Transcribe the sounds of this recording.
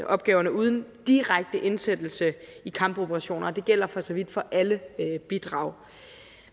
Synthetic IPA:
ʔɒ̽b̥̚ɡ̥ɛːʊɐnəuːð̞ˠn̩d̥iʁaɡ̥̚d̥əʔe̝nsed̥l̩səikʰɑ̈mb̥o̝b̥əʁɑɕo̝̰ːnʔɐd̥e̝ɡ̥el̰ɐfɒ̽sɒʋid̥fɒ̽ʔæləb̥id̥ʁɑ̰̈ʊ

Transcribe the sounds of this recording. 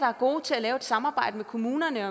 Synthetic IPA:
d̥ɑ̈æɐɡ̥o̝̰ːt͡sʰe̝ælɛːʊed̥sɑ̈mɑ̈ːbɑ̈ɪ̰d̥əmekʰo̝muːnɐnəɒ

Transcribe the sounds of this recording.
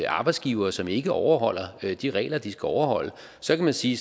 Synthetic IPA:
ɑ̈ːb̥ɪ̥sɡ̥iːʊɐːsɒ̽me̝ɡ̥əʔɒʊɐɦɒ̽l̰ɐd̥iʁɛ̰ːlɐd̥isɡ̥æɒʊɐhɒ̽l̰ə | sɒ̽kʰæmænsiː

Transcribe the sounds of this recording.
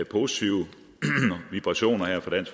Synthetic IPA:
pʰo̝si̥t͡sʰiʊ̰ə | ʋib̥ʁɑ̈ɕo̝̰ːnɐheɐ̰fɒd̥æn̰sɡ

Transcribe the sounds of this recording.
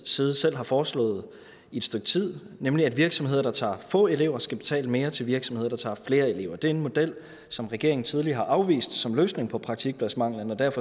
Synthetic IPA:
siːð̞ˠsel̰ɦɑ̈fɒːslɔ̰̽ːð̩ˠ | ie̝d̥sd̥øɡ̥̚t͡sʰið̰ˠ | nemliæd̥ʋiɐɡ̥sɒ̽mhe̝ð̰ˠɐd̥ɑ̈t͡sʰɑ̰̈ːfɔ̰̽ːe̝le̝ʊ̰ɐsɡ̥æb̥e̝̥t͡sʰɛ̰ːləme̝ːɐt͡sʰe̝lʋiɐɡ̥sɒ̽mheð̰ˠɐd̥ɑ̈t͡sʰɑ̰̈ːfle̝ːɐe̝le̝ʊ̰ɐd̥e̝æɐenmo̝d̥el̰ | sɒ̽mʁɛɡ̥̝ɐ̰e̝ŋn̩t͡sʰið̞ˠliɐhɑ̈ʔɑ̈ʊʋḭːsd̥sɒ̽mløːsne̝ŋpʰɒ̽pʰʁɑ̈ɡ̥̚t͡sʰiɡ̥̚b̥ʰlæsmɑ̈ŋ̰lənɒ̽d̥æɐ̰fɒ̽

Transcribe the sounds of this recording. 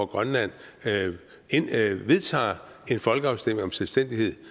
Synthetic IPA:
ɒɡ̥ʁɶnlæn̰ | eʋe̝ðˠt͡sʰɑ̰̈ː | e̝nfɒ̽lɡ̥əɑ̈ʊsd̥em̰e̝ŋɒ̽mselsd̥en̰d̥ihe̝ð̰ˠ

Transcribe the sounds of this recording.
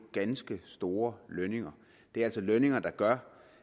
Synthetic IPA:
ɡ̥ænsɡ̥əsd̥o̝ːɐløne̝ŋɐ | d̥e̝æælsɒ̽løne̝ŋɐd̥ɑ̈ɡ̥ɶɐ

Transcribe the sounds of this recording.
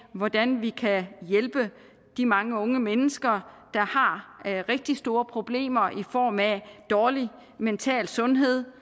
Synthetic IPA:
ʋɒd̥ænʋikʰæjelb̥ə | d̥imɑ̈ŋəɔ̽ŋəmenəsɡ̥ɐd̥ɑ̈hɑ̈ʁeɡ̥̚d̥isd̥o̝ːɐpʰʁo̝b̥le̝̰ːmɐʔifɒ̰ːmæd̥ɒːli | ment͡sʰɛ̰ːlsɔ̽nɦe̝ð̞̰ˠ

